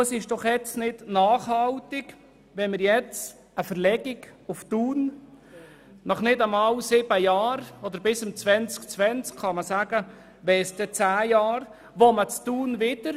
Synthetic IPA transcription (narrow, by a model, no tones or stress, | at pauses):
əsɪʃd̥ɔχjɛt͡snɪdnɑːχhɑltɪɡ | ʋɛnməɾjɛt͡s | əfəɾlɛɡ̥ɪɡʊftuːn | nɑχnɪdəmɑwsɪbəjɑːɾɔd̪əɾbɪsəmt͡sʋɛnt͡skt͡sʋɛnt͡skχɑməsæːɡ̥ə | ʋɛsd̥ɛt͡sæːjɑːr | ʋomət͡stuːnvɪd̥əɾ